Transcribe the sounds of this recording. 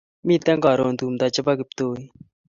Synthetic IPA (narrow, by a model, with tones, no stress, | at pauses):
mi˦˨t̪ɛ˦ŋɡɔ˨ɾo˨nd̪uː˨md̪a˨t͡ʃɪ˦ba˦ɡɪ˧˨p̚t̪oː˦